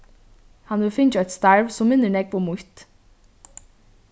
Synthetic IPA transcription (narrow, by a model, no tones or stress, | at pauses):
hɑnʋɪlfɪnd͡ʒœt̪st̪ɑɹʋsɔmːɪnəɳɛɡpomʊt̪